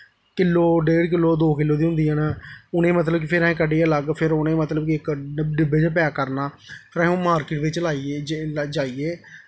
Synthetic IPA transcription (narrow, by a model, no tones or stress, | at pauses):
kɪlːoːɖeːɽk̬ɪlːoːd̪oːkɪlːoːd̪iːɦʊ̃nd̪iːənaʊnẽːmət̪̬ləbk̬ɪpʰɪɾɛ̃ẽkəɖeːaləɡpʰɪɾʊnẽːmət̪ləbkiɪkɖɪbed͡ʒpɛaːkəɾnaː | pʰɪɾə̃õːmaːɾkɪʈʋɪt͡ʃlaːid͡ʒaːiːeː